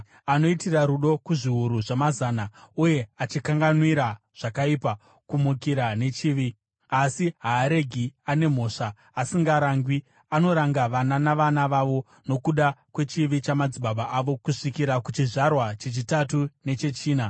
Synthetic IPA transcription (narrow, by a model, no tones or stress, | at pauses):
ano̞itiraɾuɗo̞kuʐiɦuɾuʐamazaːnauje̞at͡ʃikaŋɡanwiɾa | ʐ̥akaipa | kumukiɾane̞t͡ʃiːʋi | asiɦaːɾe̞ɡʱiane̞m̤o̞ːʂaː | siŋɡaɾaŋɡwi | ano̞ɾaŋɡaʋananaʋanaʋaʋo̞ | no̞kuɗakwe̞t͡ʃiʋit͡ʃamad͡ziɓaɓaʔaʋo̞kuʂikiɾakut͡ʃiʐarwat͡ʃet͡ʃitatune̞t͡ʃe̞t͡ʃiːna